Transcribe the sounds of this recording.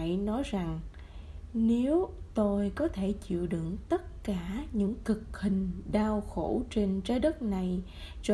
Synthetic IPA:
jnɔ˨˦jza˨˩ŋ | ne˨˦wt̪o˧jkɔ˨˦t̪ʰe˧˩t͡ɕḭ˧˨wɗɨ̰˧˩˨ŋt̪ə˦˥t̚kaː˧˩ɲɨ̰˧˥ŋkɨ˨˩k̚hï˨˩ŋ̟ɗaː˧wxo̰˧˩t͡ɕe˧nt͡ɕəː˨˦jɗə˦˥t̚na˨˩j | t͡ɕɔ˧

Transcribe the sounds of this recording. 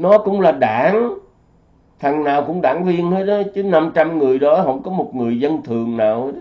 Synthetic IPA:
nɔ˨˦kʊ̰˧˥wŋ͡mlaː˨˩ɗaː˧˩˥ŋ | t̪ʰa˨˩ŋnaː˨˩wkʊ̰˧˥wŋ͡mɗa̰ː˧˩˥ŋvi˧ənhə˧j̚ɗɔ˨˦t͡ɕɨ˨˦na˧mt͡ɕa˧mŋɨ˨˩əjɗɔ˨˦ɦə̰˧˩˥wŋ͡mkɔ˨˦mo˨˩t̚ŋɨ˨˩əjzə˧nt̪ʰɨ˨˩əŋnaː˨˩whə˧˦

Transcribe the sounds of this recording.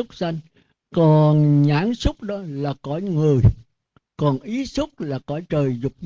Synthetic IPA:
ʊ˦˥k͡p̚sa˧jŋ̟ | kɔ˨˩nɲaː˧˥nsʊ˦˥k͡p̚ɗɔ˨˦laː˨˩kɔ˧˦jŋɨ˨˩əj | kɔ˨˩nʔi˨˦sʊ˦˥k͡p̚laː˨˩kɔ˧˩˦jt͡ɕəː˨˩jzʊ˨˩k͡p̚

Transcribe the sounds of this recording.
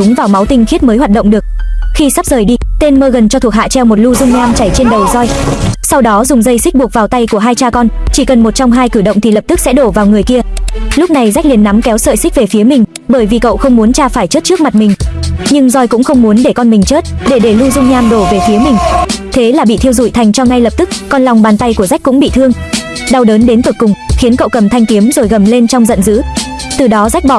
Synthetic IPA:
ɗʊ˨˦ŋ͡mvaː˨˩wma˨˦wt̪ï˧ŋ̟xi˦˥ət̚məː˨˦jɦwaː˨˩t̚ɗə̰˧˨wŋ͡mɗɨ˨˩ək̚xi˧sa˦˥p̚zəː˨˩jɗi˧t̪e˧nməː˧ɣə˨˩nt͡ɕɔ˧t̪ʰu˨˩ək̚ha̰ː˧˨t͡ɕɛ˧wmo˨˩t̚lu˧zʊ˧ŋ͡mɲaː˧mt͡ɕa˧˩jt͡ɕe˧nɗə˨˩jzɔ˧jsa˧wɗɔ˨˦zʊ˨˩ŋ͡mzə˧jsi˦˥k̚ɓu˨˩ək̚vaː˨˩wt̪a˧jku˧˩əɦaː˧jt͡ɕaː˧kɔ˧nt͡ɕi˧˩kə˨˩nmo˨˩t̚t͡ɕɔ˧wŋ͡mɦaː˧jkɨ˧˩ɗə̰˧˨wŋ͡mt̪ʰi˨˩lə˨˩p̚t̪ɨ˦˥k̚sɛ̰˧˥ɗo˧˩vaː˨˩wŋɨ˨˩əjki˧əlʊ˦˥k͡p̚na˨˩jza˦˥k̟̚li˨˩ənːa˨˦mkɛ˨˦wsə̰ː˧˨jsï˦˥k̟̚ve˨˩fi˨˦əmï˨˩ŋ̟ | ɓəː˧˩jvi˨˩kə̰˧˨wxə˧wŋ͡mmu˨˦ənt͡ɕaː˧faː˧˩jt͡ɕə˦˥t̚t͡ɕɨ˦˥ək̚ma˨˩t̚mï˨˩ŋ̟ɲɨ˧ŋzɔ˧jkʊ̰˧˥ŋ͡mxə˧wŋ͡mmu˨˦ənɗe˧˩kɔ˧nmï˨˩ŋ̟t͡ɕəː˦˥t̚ɗe˧˩ɗe˧˩lu˧zʊ˧ŋ͡mɲaː˧mɗo˧˩ve˨˩fi˨˦əmï˨˩ŋ̟t̪ʰe˨˦laː˨˩ɓḭ˧˨t̪ʰi˧əwzṵ˧˩˨jt̪ʰa˨˩jŋ̟t͡ɕɔ˧ŋa˧jlə˨˩p̚t̪ɨ˦˥k̚kɔ˧nla˨˩wŋ͡mɓaː˨˩nt̪a˧jku˧˩əza˦˥jk̟kʊ̰˧˥ŋ͡mɓḭ˧˨t̪ʰɨ˧əŋ | ɗa˧wɗəː˨˦nɗe˨˦nvə˨˩kʊ˨˩ŋ͡mxi˨˦ənkə̰˧˨wkə˨˩mt̪ʰa˧jŋ̟t̪ki˨˦əmzo˨˩jɣə˨˩mle˧nt͡ɕɔ˧wŋ͡mzə̰˧˨nzɨ̰˧˥ | t̪ɨ˨˩ɗɔ˨˦za˦˥k̟̚ɓɔ̰˧˨

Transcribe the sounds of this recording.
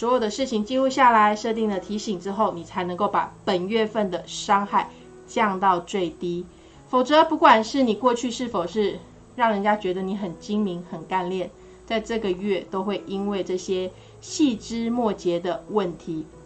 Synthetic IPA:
swɔ˧˥jo˨˩ʊd̪ə˨ʂɻ̩˥˩t͡ɕʰi˨˩ŋt͡ɕi˥˧lu˥˧ɕja˥˩la˧˦ɪʂɤ˥˧t̪i˥˩ŋd̪ə˩t̪ʰi˧˥ɕi˨˩ŋʈ͡ʂɻ̩˥xo˥˩ʊni˨˩t͡sʰa˧˥ɪnɤ˧˥ŋko˥˩ʊpa̰˨˩˦pə˨˩nɥɛ˥˧fə˥˩nd̪ə˩ʂɑ˥ŋxa˥˩ɪ | t͡ɕjɑ˥˧ŋt̪ɑ˥˧ʊt͡swe˥˩ɪt̪i˥ | fo˨˩ʊt͡sɤ˧˦pu˥˧kwa˨˩nʂɻ̩˥˩ni˨˩kwɔ˥˧t͡ɕʰy˥˧ʂɻ̩˥˩fo˨˩ʊʂɻ̩˥˧ | ɻɑ˥˩ŋɻə˧˥nt͡ɕja˥t͡ɕɥɛ˧˥d̪ə˧ni˨˥xə˨˩nt͡ɕi˥ŋmi˧˥ŋxə˨˩nka˥˧nljɛ˥˨n | t͡sa˥˧ɪʈ͡ʂɤ˥˩ɡə˩ɥɛ˥˩t̪o˥ʊxwe˥˩ɪʔi˥nwe˥˧ɪʈ͡ʂɤ˥˩ɕjɛ˥ | ɕi˥˩ʈ͡ʂɻ̩˥mwɔ˥˩t͡ɕjɛ˧˥d̪ə˧wə˥˩nt̪ʰi˨˦

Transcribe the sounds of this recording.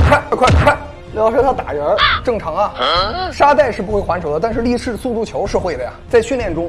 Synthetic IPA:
kʰwa˥˩kkʰwkʰwa˥˩ | ljɑ˧˥ʊʂɔ˥t̪ʰa˥t̪a̰˨˩ɻə˧˥ʈ͡ʂɤ˥˩ŋʈ͡ʂʰɑ˧˥ŋɐ˧ʂa˥t̪a˥˧ɪʂɻ̩˥˩pu˧˥we˥˩ɪxwa˧˥nʂʰo˨˩ʊə˦t̪a˥˧nʂɻ̩˥˧li˥˧ʂɻ̩˥˧su˥˧t̪u˥˩t͡ɕʰjo˧˥ʊʂɻ̩˥˧xwe˥˩ɪd̪ə˩ja̰˩t͡sa˥˧ɪɕy˥˧nljɛ˥˩nʈ͡ʂʊ˥ŋ

